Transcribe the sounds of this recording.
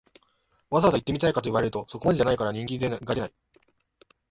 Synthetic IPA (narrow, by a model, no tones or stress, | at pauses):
βazat̪ait̪ːe̞mʲit̪aikat̪o̞iβaɾe̞ɾɯ̟t̪oso̞ko̞mad̪e̞ʑanaikaɾaɲ̟ĩŋkʲiɡaɾʲe̞nai